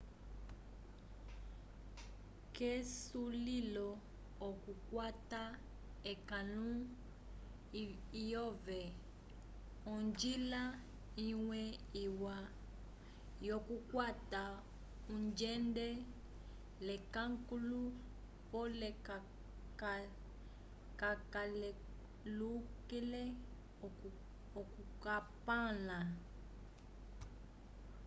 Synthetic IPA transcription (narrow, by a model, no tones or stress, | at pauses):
kɛsulilɔː | kukwata | ɛkalu | ijɔvɛ | ɔɲd͡ʒila | iwɛiwa | jɔkukwata | ũnd͡ʒɛndɛ | lɛkãŋkulu | pɔlɛ | kakal | lukelɛ | ɔkukapãlã